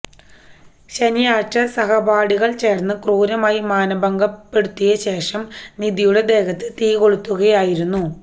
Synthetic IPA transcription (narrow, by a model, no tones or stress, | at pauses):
ɕɐnjaːtːɐsɐɦɐbaːɽiɣɐɭt͡ɕe̞ːrnːɨkruːɾɐmaːjimaːnɐbɐŋɡɐppːe̞ɽut̪ːijɐɕe̞ːʂɐmniðijuɽed̪e̞ːɣɐt̪ːɨt̪iːɣo̞ɭut̪ːuɣɐjaːjiɾunːu